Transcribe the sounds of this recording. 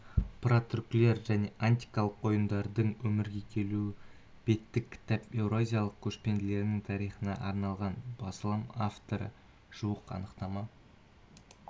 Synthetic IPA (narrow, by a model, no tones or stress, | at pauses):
prot̪ɾʊkʲlʲeɾʒæne̞ʔanʲt̪ʲi̥kɑlˠəqwo̞jənd̪ɑɾd̪əɴwɵmɪɾɡʲe̞kʲʰe̞luɪ | b̥e̞t̪ːɪkʲʰːɪ̥t̪ɑpe̞wɾoazʲijɑlˠəq̚kʲʰɵʃpend̪ɪle̞ɾɪnɪŋt̪ʰɑɾijχənɑ̰ʔɑɾnɑlˠʁɑnbɑsəlˠɑmaft̪o̞ɾə̰ | ʒ̥uwəqɑ̰nəqt̪ɑmɑ